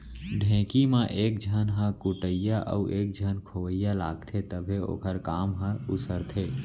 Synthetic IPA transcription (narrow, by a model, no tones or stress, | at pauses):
ɖʱɛ̃ːkimãʔeːk̚d͡ʒʱənɦə̃kʊʈəjaʔə̰uʔeːk̚d͡ʒʱənkʰoʋəjːalaːɡt̪ʰet̪əbʱeo̰ːkəɾkaːmɦə̃ʊsəɾt̪ʰeː